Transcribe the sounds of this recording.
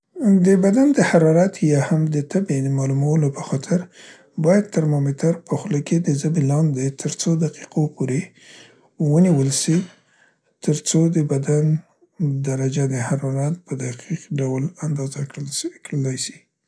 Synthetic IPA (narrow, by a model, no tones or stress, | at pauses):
d̪əbad̪and̪əhaɾɑɾɑt̪jɑhamd̪ət̪abed̪əmɑlumawəlopəxɑt̪ʰɪɾ | bɑjad̪̚t̪əɾmɑmet̪ʰaɾpəxləked̪əzabilɑnd̪et̪ʰəɾt͡sod̪aqi̥qʰopoɾe | wəniwəlsi | t̪əɾt͡sod̪əbad̪an | d̪aɾad͡ʒad̪əhaɾɑɾɑt̪̚pəd̪aqiqɖawland̪ɑzakɽəlajsi̥